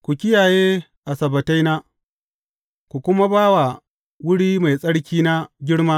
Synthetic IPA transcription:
kʷu˨kʲɪ˦jaː˨jeː˦ | ʔa˨sɐ˨bɐ˨ta˦jna˦ | kʷu˨kʷʊ˦ma˦baː˦wa˨ | wʊ˦ɽiː˦ma˨jsʼɐ˦ɽkʲiː˦na˦ɡʲɪ˦ɽmaː˦

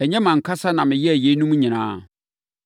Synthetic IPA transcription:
ɛ˨ɲɛ̃˦mã˨ŋ̩˨kʰa˦sa˦nã˨mɪ̃˨jɛ˦æ˨je˦nũ˦mũ˦ɲɪ̃˨nã̰ː˨˦

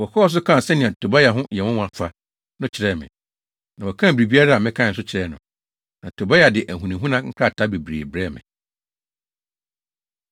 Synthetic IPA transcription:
wɔ˨kʰɔː˦ɔ˦s̬ʊ˦kʰã˦˨sɛ˦nɪ̃˨ɛ̃˨tʰo˨ba˦ja˨ɦʊ̃˦jɛ˨wʊ̃˦w̃a˨fʰa˦ | nʊ̃˦t͡ɕʰɪ˨ɾɛ˦˨mɪ̰̃˨ | nã˨wɔ˨kʰã˦˨bɾi˨bi˦a˦ɾa˦a˨mɪ̃˦kʰã˦ɪ̃˨n̩˨sʊ˦t͡ɕʰɪ˨ɾɛ˦nʊ̰̃˨ | nã˨tʰo˨ba˦ja˨dɪ˨ʔæ˨ɦũ˨nĩ˨ɦũ˦nã˦ŋ̩˦kʰa˦˨tʰa˦be˨bɾḛ˨bɾɛ˦˨mɪ̰̃˨

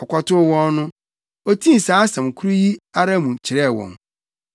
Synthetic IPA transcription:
ɔ˨kʷɔ˦tʊ˦wɔ̃˦n˦nʊ̃˦ | o˦tʰĩ˦n̩˨sãː˨˦sã˨mkʰu˦ɾu˦ji˦a˦ɾa˦mũ˨t͡ɕʰɪ˨ɾɛ˦˨wɔ̰̃˨n

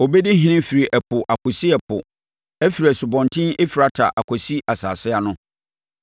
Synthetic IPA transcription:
ɔ˨bɛ˦di˦ɦɪ̃˨nɪ̃˦fi˨ɾi˨ʔɛ˨pʰʊ˨ʔa˨kʰʊ˨si˦ɛ˨pʰʊ̰˨ | æ˦fi˨ɾi˨ɛ˨sʊ˨bɔ̃˨ntʰɪ̃˦nɪ˦fi˨ɾa˨tʰa̰˨ʔa˨kʰɔ˨si˦ʔa˨sa̰ː˨sɪ˦a˨nʊ̃˦

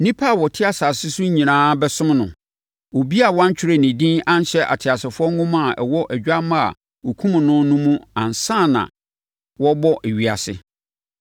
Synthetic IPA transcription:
nĩ˦pʰa˦˨wɔ˨tʰɪ˦a˦sa˨sɪ˦sʊ˦ɲĩ˨nãː˦bɛ˦sʊ̃˦mnʊ̰̃˨ | o˨bi˦a˨wɔ̃˦ɲ̩˦t͡ɕᶣʰɪ˦ɾe˦˨nĩ˨dĩ˦nã˦n˦ɕɛ˦ʔa̰˨tʰɪ˨a˨sɪ˨fʊ˦ɔ˦ŋ˦ɡʊ̃˦mã˦˨ʔɛ̰˨wɔ˦ʔæ˨d͡ʑᶣa˦mã˦a̰˨ | o˨kʰũ˦m̃˨nʊ̃˦nʊ̃˦mũ˦ã˨nsã˦˨nã̰˨ | wɔ˦bɔ˦ʔæ˨ɥi˨a̰˨sɪ̰˦

